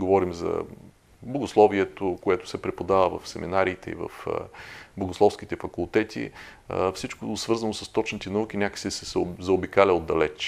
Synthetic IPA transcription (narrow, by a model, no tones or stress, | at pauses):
ɡovɔɾimzɐ̰ | bloɡoslˠɔviɛt̪okoɛt̪ʊ̥sɛpɾɛpod̪avəvɐ̰fsɛmḭnaɾiːt̪ɛḭvə̰fbloɡʊslˠɔfskit̪ɛfɐkʊlˠt̪ɛt̪ʰḭ | fsit͡ʃkosvɤɾzɐnosɐ̥st̪ɔt͡ʃnit̪ɛnɐuk̟inʲjakə̥sisɛszɐobikalʲɛod̪ːɐlɛt͡ʃ